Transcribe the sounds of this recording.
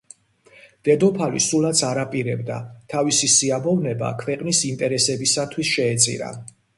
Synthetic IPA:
d̪̥ɛd̪ɔpʰalḭsulˠat̪sʰaɾapʼiɾɛbd̪a̰t̪ʰavisisiabɔvnɛba̰kʰvɛqʼnisint̪ʼɛɾɛsɛbisat̪ʰwisʃɛːt̪sʼḭɾa̰

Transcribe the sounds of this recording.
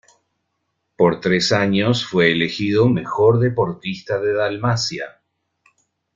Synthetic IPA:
po̞ɾt̪ɾesaɲosfweːle̞xiðome̞xo̞ɾðe̞po̞ɾt̪ist̪aðe̞ðalmasja

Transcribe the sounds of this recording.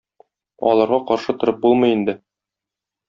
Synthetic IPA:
ɒ̰lˠɑɾʁɑqɒɾʃɤt̪ŏɾɤp̚bulˠmɤ̆jind̪ɘ

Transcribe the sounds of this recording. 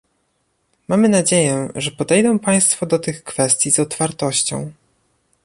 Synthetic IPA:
mamɘnad͡ʑejɛʐɛpɔd̪ɛjd̪ɔ̃w̃paj̃st̪fɔd̪ɔt̪ɘxkfɛst̪ʲjiz̥ɔt̪faɾt̪ɔɕt͡ɕɔ̰̃w̃

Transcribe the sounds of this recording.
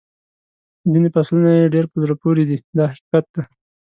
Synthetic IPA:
zinepaslunajeɖeɾpəzɾapoɾid̪id̪ɑhaqikat̪̚d̪a

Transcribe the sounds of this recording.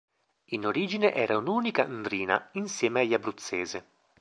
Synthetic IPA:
inoɾiːd͡ʒineʔɛːɾaunuːnikand̪ɾiːna̰insjɛːmeajːabɾut̪sːeːze

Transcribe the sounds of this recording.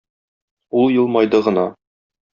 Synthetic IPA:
ulˠjɤ̆lˠmɑjd̪ɤʁɤ̆nɑ

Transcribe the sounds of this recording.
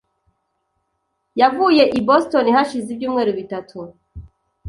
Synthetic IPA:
javuːje̞ʔibosto̞nihaʃizibɟuːmŋe̞ːɾuβitatʰu

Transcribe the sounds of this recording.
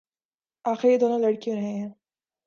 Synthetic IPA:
aːxɪɾjed̪oːnolɐɽkijõɾɐɦẽɦɛ̃ː

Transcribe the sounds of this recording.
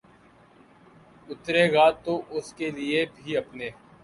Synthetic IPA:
ʊt̪ɾeɡaːt̪ːoʔʊskelɪebʱiɐpneː

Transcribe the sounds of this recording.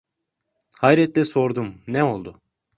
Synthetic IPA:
hajɾɛt̪lʲɛso̞ɾd̪umnɛo̞lˠd̪ʊ

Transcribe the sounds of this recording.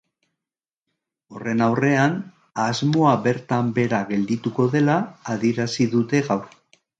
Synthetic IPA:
o̞re̞nawre̞an | azmo̞aβe̞ɾt̪ambe̞ɾaɣe̞ld̪it̪uko̞ðe̞laːðieɾasiðut̪e̞ɣawɾ

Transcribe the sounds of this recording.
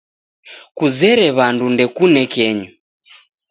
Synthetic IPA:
kuzɛɾɛβandundɛkunɛkɛɲu

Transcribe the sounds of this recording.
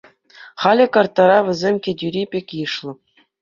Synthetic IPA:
χɑlʲɘ̆kɑrt̪ːɑɾɑʋʲɘ̆zʲemʲkʲedʲyɾʲipʲekʲjɯʂlˠɤ̆

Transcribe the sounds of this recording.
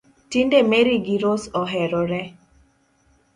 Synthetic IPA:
tindemeɾiɡiɾosɔɦɛɾɔɾɛ

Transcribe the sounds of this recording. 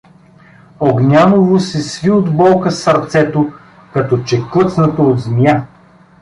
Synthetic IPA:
oɡnʲanovosɛsviod̪bɔlˠkəsɐɾt̪sɛt̪o | kɐt̪ɔt͡ʃɛkɤt̪snət̪ood̪zmʲja

